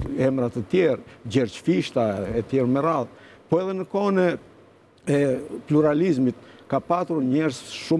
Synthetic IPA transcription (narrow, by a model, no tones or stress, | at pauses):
ɛmɾat̪ət̪jɛɾd͡ʑɛɾt͡ʃfiʃt̪aɛt̪jɛɾmɛɾað | pɔɛðɛnəkɔnɛ | ɛpluɾalizmit̪̚kapat̪uɾɲɛɾsʃu